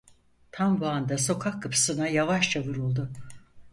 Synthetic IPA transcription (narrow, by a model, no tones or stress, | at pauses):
t̪ʰambuand̪aso̞kʰakʰːɯpʰɯ̥sɯnajavaʃt͡ʃʰavuɾulˠd̪ʊ